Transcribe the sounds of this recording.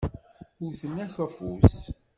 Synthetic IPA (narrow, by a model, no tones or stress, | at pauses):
uθənːæçæfṵs